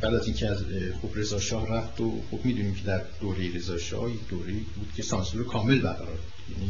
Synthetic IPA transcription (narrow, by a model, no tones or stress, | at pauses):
b̥æd̪æziːncʰeæz | xobɾe̞zɒːʃɒːhræft̪oxobmiːd̪uːniːmcʰe̞d̪æɾd̪̥oːɾe̞jiɾe̞zɒːʃɒ̰ːhjecʰd̪oːɾeiːbuːd̪̥cʰe̞sɒːnsuɾekʰɒːme̞lbæɾɣæɾɒːɾbud̪̥jæ̰ːni